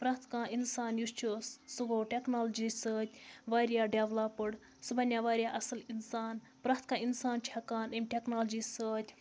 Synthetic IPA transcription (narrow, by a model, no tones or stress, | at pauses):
pɾaːt̪ʰkãːʔinsaːnjust͡ʃʰoːssuboːʈʲeknaːld͡ʒisəːt̪ʲʋaːɾjaːɖeʋlapːɨɽ | subɐnʲjaʋaːɾjaːʔɐsɨlinsaːn | pɾaːt̪ʰkãːinsaːnt͡ʃʰakaːnemʲʈʲeknaːld͡ʒiːsəːt̪ʲʰ